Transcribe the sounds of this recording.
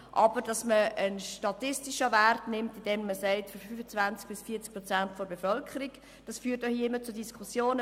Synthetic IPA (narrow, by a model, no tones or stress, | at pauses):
ʔɑb̥əɾd̥ɑsməənʃtɑtɪstiʃəværtnɪmtidɛmːəsɛɪtfɔɾfyfət͡svænt͡sk̚b̥ɪsfiɐt͡sk̚pɾɔt͡sæntfɔɾbefœlkʰəɾik | d̥ɑsfyːtoiəɪmːət͡sʊdiskʰusjoːnə